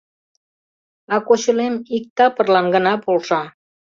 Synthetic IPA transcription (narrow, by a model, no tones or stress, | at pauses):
ɑkot͡ɕəlemik̚t̪ɑpərlɑnɡənɑpolʃɑ